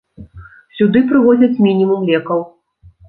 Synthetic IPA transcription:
sʲud̪ɨp̬ɾɨɣɔd͡zʲɐt͡sʲmʲinʲimumlʲɛkɐw

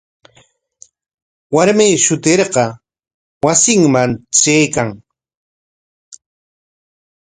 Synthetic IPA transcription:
waɾmiːʃʊt̪eɾɢɑ | wasɪŋmant͡ʃejkaŋ

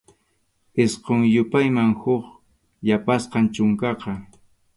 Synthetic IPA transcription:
ɪsqoŋjʊpajmaŋhʊχ | japasqɑnt͡ʃʊŋkɑqɑ

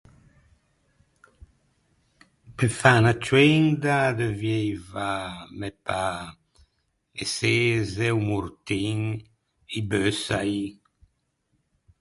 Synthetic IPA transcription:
pefanat͡ʃwɛnd̪ad̪əvjejvamɛpa | eseːzewmuɾt̪iɲ | ibøsai

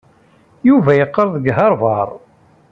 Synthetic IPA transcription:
juvæjəqːəɾˤðˤəɡɦɑɾˤvɑɾˤ

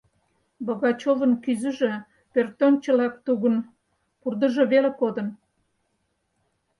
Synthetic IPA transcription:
bəɣɑt͡ɕovənkyzə̆ʒĕ | pørt̪ont͡ɕə̆lɑk̚t̪uɣən | purd̪əʒeβelekod̪ən

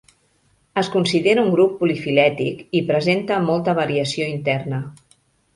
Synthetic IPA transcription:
əskunsiðeɾəuŋɡɾupːulifilɛt̪ikipɾəzent̪əmolˠt̪əβəɾiəsioint̪ɛrnə

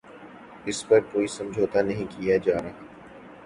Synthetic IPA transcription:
ɪspɐɾkoːisɐ̃md͡ʒʱoːt̪anɐɦĩkijad͡ʒaːɾaːɦa

